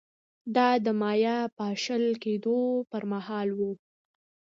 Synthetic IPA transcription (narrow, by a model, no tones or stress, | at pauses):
d̪ɑd̪əmɑjapəaʃəlked̪opəɾmahɑlwu